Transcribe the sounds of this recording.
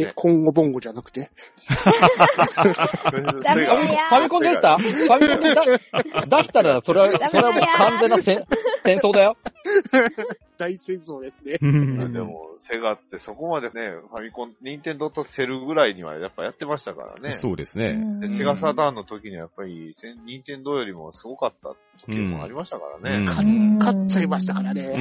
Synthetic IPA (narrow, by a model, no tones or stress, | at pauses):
kʰõ̞ŋɡobõ̞ŋɡo̞d͡ʑanakɯ̟̥t̪e̞ | amipamʲikõnd̪est̪apamʲikõed̪ad̪akʲi̥t̪aɾaso̞ɾeaso̞ɾe̞βamokãnd͡zẽ̞nːasẽsẽɰ̃soːd̪ajo̞ | d̪̥aisẽɰsoːd̪esɨned̪ḛmo̰se̞ɡat̪ːe̞so̞ko̞mad̪e̞ne̞pamʲikõnɲ̟ĩnt̪ẽ̞nd̪o̞t̪ose̞ɾɯ̟ɡɯ̟ɾaiɲ̟iβa̰japːajat̪ːe̞maɕi̥t̪aka̰ɾa̰ne̞soːd̪esɨned̪e̞se̞ɡasad̪ãnːo̞t̪o̞kʲiɲ̟iβajapːaɾʲisẽɲ̟ĩnt̪ẽnd̪o̞jo̞ɾʲimo̞̰sɨɡo̞kat̪ːa̰ | t̪o̞kimo̰a̰ɾʲimaɕi̥t̪aka̰ɾa̰ne̞kʰaikat͡ɕaɡemaɕi̥t̪akaɾane